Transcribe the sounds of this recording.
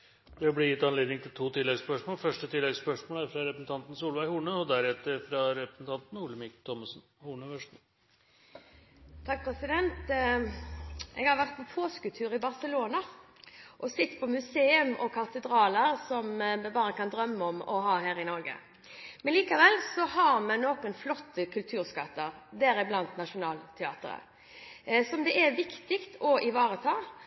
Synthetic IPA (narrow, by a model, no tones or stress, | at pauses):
d̪ɛɑblɪjɪt̪ːɑnleːd̪ɪŋt̪ʰɪlt̪ʰuːt̪ʰɪlːɛɡspœʂmoːlfœʂʈət̪ʰɪlːɛɡspœʂmoːlæɾfɾɑɾɛpɾəsn̩t̪ʰɑnt̪n̩suːlʋæɪhuːɳəɔd̪æɾɛt̪ːəɾfɾɑɾɛpɾəsn̩t̪ʰɑnt̪n̩uːləmɪkt̪ʰɔmɑsn | huːɳəʋœʂn̩ | t̪ʰɑk̚pʰɾɛsɪd̪ɛnt̪ | ʔɛɡhɑɾʋæʁt̪̚pʰɔpʰoːskʉlt̪ʰʉːʁɪbɑʁsəloːnɑ | ʔɔsɪt̪ːpʰɔmʉseːʉmɔkʰɑt̪əd̪ɾɑːləɾsɔmmɛbɑːɾəkɑnd̪ɾœmːəɔmɔɦɑːɦæːɾɪnɔɾɡə̰ | mɛnliːkɑʋɛlsɔhɑɾmɛnoːkənflɔt̪ːəkʰʉlt̪ʰʉːɾskɑt̪ːəɾd̪æɾɪblɑnt̪nɑʂʊnɑːlt̪ʰɛɑ̰ːt̪ə̰ɾə̰ | sɔmd̪ɛʔɛʋɪkt̪ɪkt̪ʰɔʔɪʋɑːɾət̪ʰɑː